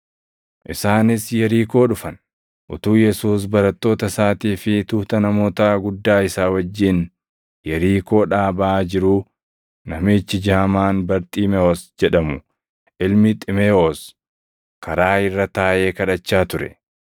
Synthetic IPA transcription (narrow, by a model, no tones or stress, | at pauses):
ʔɪsaːnɪsjɛɾiːko̞ːᶑʊfɐn | ʔʊt̪uːjɛsuːs̬bɐɾɐt̪ːo̞ːt̪ɐsaːt̪iːfɪt̪uːt̪ɐnɐmo̞ːt̪ɐɡʊd̪ːaːɪsaːwɐd͡ʒːɪn | jɛɾiːko̞ːᶑaːbɐʔaːd͡ʒɪɾuː | nɐmiːt͡ʃːɪd͡ʒaːɐmaːnbɐɾt̪ʼiːmɛoːsd͡ʒɛᶑɐmʊ | ʔɪlmɪt̪ʼɪmeoːs | kɐɾaːɪrːɐt̪aːʔe̞ːkɐᶑɐt͡ʃːaːt̪ʊɾɛ̰